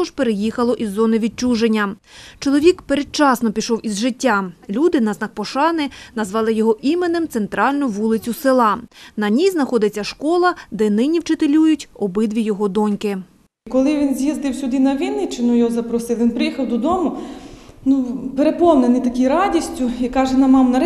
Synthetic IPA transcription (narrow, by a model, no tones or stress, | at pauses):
ɔʒpeɾejixɐlˠɔʔizːɔnɪʋʲit͡ʃuʒenʲːɐt͡ʃɔlˠɔʋʲikpeɾed̪̚t͡ʃɑsnɔpʲiʃɔwizʒɪtʲːalʲud̪ɪnɐznɑk̚pɔʃɑnɪnɐzʋɑlˠɪjɔɦɔʔimenɪmt̪sent̪ɾɑlʲnʊʋulˠɪt͡sʲʊsɪlˠɑnɐnʲijznɐxɔd̪ɪt͡sʲːɐʃkɔlˠɐd̪ɛnɪnʲiwt͡ʃɪt̪elʲujʊtʲɔbɪd̪ʋʲijɔɦɔd̪ɔnʲkɪ | kɔlˠɪʋʲinzʲjizd̪ɪwsʲʊd̪ɪnɐʋʲinɪt͡ʃɪnujɔɦɔzɐpɾɔsɪlˠʋʲinpɾɪjixɐwd̪ɔd̪ɔmʊ | nupeɾepɔmnenɪt̪ɐkʲijɾɑdʲisʲtʲʊikɑʒɛnɐmɑmnɐɾ